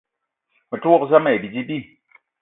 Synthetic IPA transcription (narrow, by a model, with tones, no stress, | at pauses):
mɨ˨tu˦ɔ˦kza˦me˨bi˨d͡ʒi˦bi˦